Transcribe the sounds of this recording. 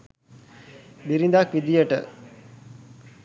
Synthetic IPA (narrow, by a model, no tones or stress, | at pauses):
biɾind̪akʋid̪ijəʈə